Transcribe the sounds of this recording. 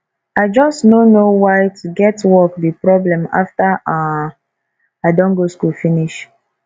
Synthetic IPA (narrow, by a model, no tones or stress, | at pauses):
aɪd͡ʒɔstnonowaɪtʰuɡɛtwɔkdipɾɔblɛ̃ma̰fta | aɪdɔ̃nɡoskulfiniʃ